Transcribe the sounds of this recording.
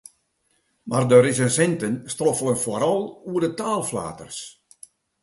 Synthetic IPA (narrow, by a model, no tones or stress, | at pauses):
mardøɾɪsənsɪntənstrofəlˠənfoɾɔlˠuədətaːlˠfla̰ːtə̰rs